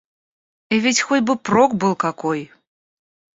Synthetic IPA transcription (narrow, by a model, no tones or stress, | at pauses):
ɛvʲit͡sʲxɔt͡sʲbɨprɔkbɨlˠkakɔj